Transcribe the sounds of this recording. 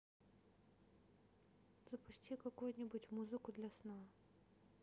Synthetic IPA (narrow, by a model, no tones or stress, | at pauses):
zɐpʊsʲtʲikɐkujnʲibutʲmuzɨkʊd̪lʲɐsna